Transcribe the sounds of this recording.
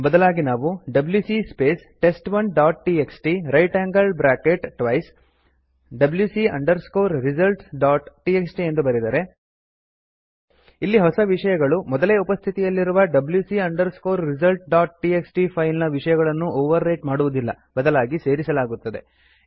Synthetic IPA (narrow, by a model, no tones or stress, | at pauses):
bɐd̪ɐlaːɡinaːʋuɖɐbljuːsispe̞ːs | ʈe̞sʈʋɐnɖaːʈʈieksʈiɾɐjʈaːŋɡɐlbɾaːkeʈʈːʋɐjs | ɖɐbljuːsiɐ̰ɳɖɐɾskoːɾɾizɐlʈɖaːʈʈieksʈie̞nd̪ubɐɾid̪aːɾe | ilːiɦɔsɐʋiʂɐjɐɡɐɭumɔd̪ɐleːupɐst̪ʰit̪ijɐlːiɾuʋɐɖɐbljusiɐɳɖɐɾskoːɾːizɐlʈ̚ɖaːʈ̚ʈieksʈipʰɐjlnɐʋiʂɐjɐɣɐɭɐnːuʔoːʋɐɾːɐjʈmaːɽuʋud̪ilːɐ̰ | bɐd̪ɐlaːɡise̞ːɾisɐlaːɡut̪ːɐd̪e̞̰